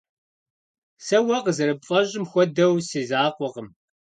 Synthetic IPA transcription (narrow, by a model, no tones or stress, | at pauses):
sɐwɐqzɨɾɨbfʼɐʑʼɪmxʷɔd̪ɐwsiːzaːqʷɔʁəm